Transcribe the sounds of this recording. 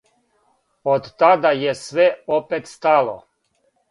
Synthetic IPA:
od̪t̪ad̪ajesʋɛopet̪st̪alo̰

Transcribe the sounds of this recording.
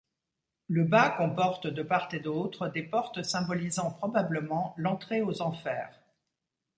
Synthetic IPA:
ləbakɔ̃pɔʁt̪d̪əpaʁt̪ed̪ot̪χəd̪epɔʁt̪sɛ̃bɔlizɑ̃pχɔbabləmɑ̃lɑ̃t̪χeozɑ̃fɛːʁ

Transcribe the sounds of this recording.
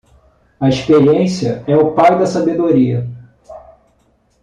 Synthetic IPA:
ɐeʃpeɾiẽsiɐɛʊpajd̪ɐsabed̪oɾiɐ

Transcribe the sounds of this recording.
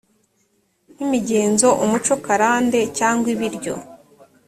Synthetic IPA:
nimiɟe̞ːnzo̞ʔumut͡ʃo̞kaɾaːnde̞caːŋɡwiβiɾɟo̞̰

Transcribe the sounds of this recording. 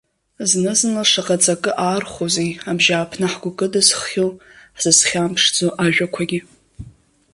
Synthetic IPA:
znɨznɨlʂaqʼat͡sʼakʼɨʔaːrχozejabʒaːpʰnɨħɡʷʊkʼɨdɨsχːʲolħz̥ɨsχʲampʰʂd͡zoʔaʒᶣakʷʰaɡʲi

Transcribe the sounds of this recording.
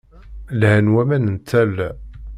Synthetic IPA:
lhænwæmænənt̪ʰːæl

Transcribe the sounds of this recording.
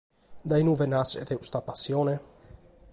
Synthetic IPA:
d̪ajnuvenasḛd̪eust̪apasjone

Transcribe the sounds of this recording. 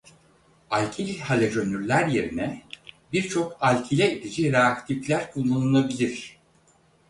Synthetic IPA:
alʲcʰilʲhalʲɛd͡ʒø̞nyɾlʲæɾje̞ɾinɛbiɾt͡ʃʰo̞kalʲcʰilʲɛid̪id͡ʒiɾeakt̪ʰiflʲæɾkʰulːˠanunˠabilʲiɾ̥

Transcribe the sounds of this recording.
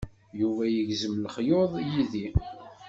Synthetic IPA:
juvæjəʝzəmlχjoðˤjiði

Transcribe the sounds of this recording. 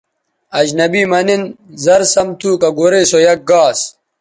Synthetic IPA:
ɐd͡ʑnɐbiːmɐninzɐɾsɐmt̪ʰuːkɐɡoɾeːsojɐk̚ɡaːs

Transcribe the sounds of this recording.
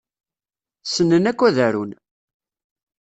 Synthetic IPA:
sənːənækʷːæðæɾun

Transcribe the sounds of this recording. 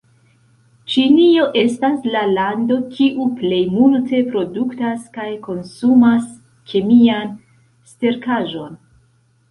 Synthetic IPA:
t͡ʃinio̞ʔe̞staslalando̞kʰiʔuple̞jmulte̞pɾo̞duktaskajko̞nsumas | kʰe̞mian | ste̞ɾkaʒo̞n

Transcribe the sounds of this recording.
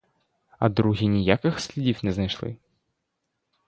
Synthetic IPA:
ɐ̰d̪ɾuɣʲinʲijakɨxsʲlʲɛdʲifʲnʲɛznɐjʂlˠɨ̰

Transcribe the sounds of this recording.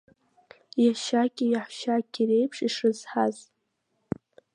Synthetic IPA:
jaʃakʲʼɪjaħʃakʲʰʼirejpʰʂiʂɨz̥ħaz

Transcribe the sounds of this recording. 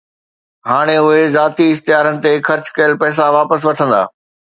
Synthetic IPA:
ɦaːɽ̃eʊɦezaːt̪iɪxt̪ɪjaːɾənɪ̆t̪exɐɾt͡ɕkɐjəlpɛːs̬aʋaːpəs̬ʋɐʈʰə̃nd̪a̰ː

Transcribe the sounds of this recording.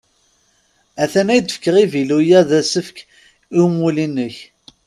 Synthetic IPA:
æθænæjd̪əfə̥kːəʁivilujæðæsəfk | iwmulinːəç

